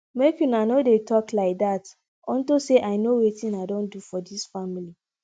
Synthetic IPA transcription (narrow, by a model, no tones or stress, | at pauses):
mekjunanodetʰɔklaɪk̚dat | ɔ̃ntoseʔaɪnowetĩnaɪdõndufɔdisfamili